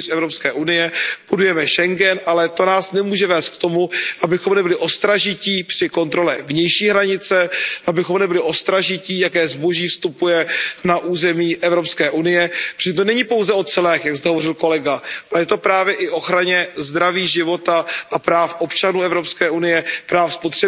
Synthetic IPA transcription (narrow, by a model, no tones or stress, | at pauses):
sɛvɾopskɛːʔunɪjɛb̥udujɛmɛʃɛŋɡɛnʔalɛt̪o̞naːsnɛmuːʒɛvɛːst̪k̚t̪o̞muʔabɪxo̞mnɛbɪlɪʔo̞st̪ɾaʒɪciːpr̥ɪko̞nt̪ɾo̞lɛvɲɛjʃiːɦɾaɲɪt͡sɛʔabɪxomnɛbɪlɪʔo̞st̪ɾaʒɪciːjakɛːzbo̞ʒiːfst̪upujɛnaʔuːzɛmiːʔɛvɾopskɛːʔunɪjɛprɛsɲɛt̪onɛɲɪpo̞wzɛo̞t͡sɛlɛːxjakzt̪ɛɦovo̞rɪlko̞lɛɡaʔalɛjɛt̪o̞pɾaːvjɛʔɪʔo̞xɾaɲɛzd̪ɾaviːʒɪvo̞t̪aʔapɾaːfʔo̞pt͡ʃanuːɛvɾopskɛːʔunɪjɛpɾaːfspot̪r̥ɛ